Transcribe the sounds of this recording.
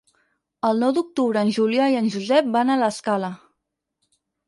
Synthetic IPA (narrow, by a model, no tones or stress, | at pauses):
əlˠnɔwd̪uk̚t̪uβɾəːnʲʒuliaiənʲʒuzɛp̚banələskalə